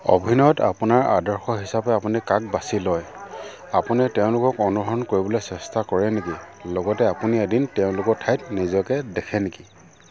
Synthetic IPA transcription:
ɔ̰bʱinɔjɔta̰punaɹa̰dɔɹxɔɦisapɛapunikak̚basilɔj | apunɛtɛʊ̃lʊkɔkɔnuɦɔɹɔnkoɹibɔlojsɛstakɔɹɛnekilɔɡɔtɛapuniedintɛʊ̃lʊkɔtʰajtnizɔkɛdɛkʰɛneki

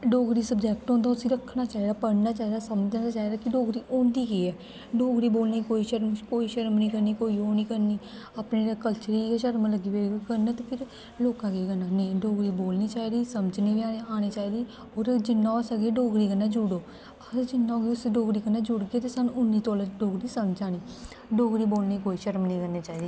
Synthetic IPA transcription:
ɖoːɡɾiːsəbd͡ʒɛːk̚ʈɦõːnd̪aːʊsĩːɾəkʰːnaːt͡ʃaːiːd̪aːpəɽnaːt͡ʃaːid̪aːsəməd͡ʒnat͡ʃaːiːd̪aːkɪɖoːɡɾiːʔoːɳd̪iːɡeːɛː | ɖoːɡɾiːboːlniːkoːiːʃəɾmkoːiːʃəɾmnĩːkəɾniːkoːiːoːniːkəɾniː | əpneːɾaːkəlt͡ʃəɾiːʃəɾmləɡiːʋekəɾnət̪epʰɪɾ | loːkãːɡeɡənanĩɖoːɡɾiːboːlniːt͡ʃaːid̪iːsəməd͡ʒniːbiaːaːnet͡ʃaːid̪iː | ɔːɾd͡ʒɪnːãsəɡeɖoːɡɾiːɡənːad͡ʒʊɽoː | əɾd͡ʒɪnːãːɡiʊsɖoːɡɾiːkənːaːd͡ʒʊɽɡeːt̪esənʊnːiːt̪oːləɖoːɡɾisəmd͡ʒaːniː | ɖoːɡɾiːboːlniikoːiʃəɾmnĩkəɾneːt͡ʃaːid̪iː

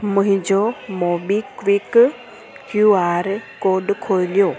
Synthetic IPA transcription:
məɦĩd͡ʒɔmɔbikwik | kjuaɾkoɖkʰojlijo

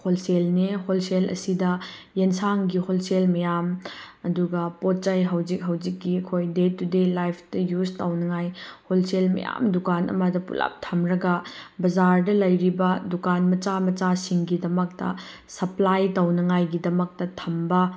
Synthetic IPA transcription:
holselneholselɐ̰sidɐ | jensaŋɡiholselmɐjam | ɐduɡɐpot̚t͡ʃɐjɦɐwd͡ʒik̚ɦɐwd͡ʒikːiɐkʰojdetudelajpʰtɐjuztawnɐŋajholselmɐ̰ja̰mdukanʔɐ̰mɐdɐpṵla̰p̚tʰɐmɾɐɡɐbɐzaɾdɐlɐjɾibɐdukanmɐt͡ʃamɐt͡ʃasiŋɡidɐmɐk̚tɐ̰ | sɐplajtɐwnɐŋajɡidɐmɐk̚tɐtʰɐmbɐ

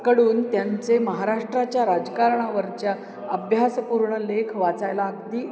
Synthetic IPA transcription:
kəɽuːnt̪jant͡seməɦaɾaʂʈɾat͡ɕjaɾad͡zkaɾɳaʋəɾt͡ɕja | əbʱjaspuɾɳəlekʰʋat͡sajlaːɡd̪iː

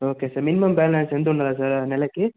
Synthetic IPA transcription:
oːkesɐɾminimɐmbaːlɐnsend̪uɳːɐlas̬ɐɾnɛlɐkːe

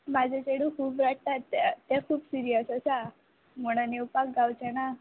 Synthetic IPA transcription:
mad͡ʒet͡ʃeɽũkʰuːbɾak̚t̪at̪ːɛkʰuːbsiɾijəsəsa | moɽ̃aniwpak̚ɡawt͡ʃʰɛna

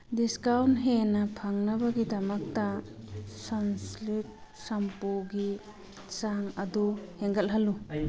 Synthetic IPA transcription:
diskawntɦenɐpʰaŋnɐbɐɡidɐmɐk̚tɐ | sɔnslit̚ | sɐmpoɡi | saŋɐduheŋɡɐlɦɐlu

